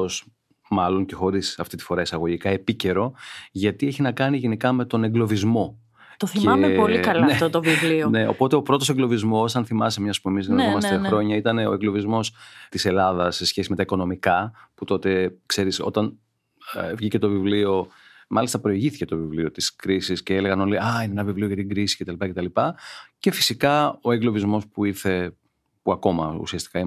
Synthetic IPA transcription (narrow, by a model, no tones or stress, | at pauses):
os | mɐlo̞ŋce̞xo̞ɾisɐft̪it̪i̥fo̞ɾɐisɐɣo̞ʝikɐe̞pice̞ɾo̞ʝɐt̪ieçinɐkɐniʝe̞nikɐme̞t̪o̞neŋɡlo̞vizmo̞ | t̪oθieɐmepolikɐlneot̪ovivlione̞o̞̰po̞t̪e̞o̞pɾo̞t̪o̞seŋɡlo̞vizmo̞sɐnθimɐsemɲɐspue̞miziomɐsexɾo̞ɲɐit̪ɐne̞o̞eɡlo̞vizmo̞st̪ise̞lɐðɐsːe̞sçe̞sime̞t̪ɐiko̞no̞mikɐput̪o̞t̪e̞kse̞ɾiso̞̰t̪ɐn | vʝice̞t̪o̞vivlio̞ | mʔɐlist̪ɐpɾo̞iʝiθi̥ce̞t̪o̞vivlio̞t̪iskɾisisceeleɣɐno̞liɐineenɐvivlio̞ʝɐt̪iɡɾisi̥ce̞t̪ɐlipɐceɐlipɐce̞fi̥sikɐo̞eɡlo̞vizmo̞spuiθe̞ | puɐko̞mɐṵsiɐst̪i̥kɐi